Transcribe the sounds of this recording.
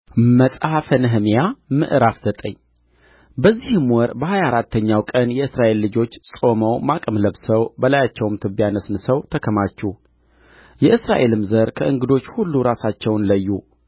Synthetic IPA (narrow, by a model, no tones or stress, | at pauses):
məsʼhafənɨɦmjamɨ̰ʔɾafz̥ət̪ʼəɲː | bəzːihɨmwɔɾbəhajaɾat̪ʰːəɲːawkʼənjɛɨsɾaʔe̞lːɨd͡ʒo̞t͡ʃːsʼo̞məwmakʼəmləbsəwbəlajat͡ʃːɛwmt̪ʰɨbjanəsnɨsəwt̪ʰəkʰəmat͡ʃːuh | jɛʔɨsɾa̰ʔe̞lɨmzəɾkʰəʔɨŋɡɨd̪o̞t͡ʃːhulːuɾasat͡ʃːɛwnləjːu